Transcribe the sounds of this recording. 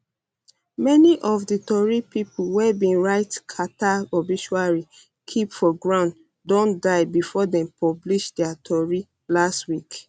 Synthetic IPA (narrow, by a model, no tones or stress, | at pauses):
mɛniʔɔvditɔɹipipwɛbĩnɹaɪtkʰataɔbiʃuaɹi | kʰipfɔɡɹãʊ̃n | dõndaɪbifɔdɛ̃mpɔbliʃdɛatʰɔɹi | lastwik